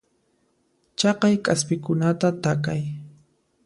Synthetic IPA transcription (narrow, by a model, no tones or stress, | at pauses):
t͡ʃɑqɑjkʼaspɪkʊnat̪at̪akaj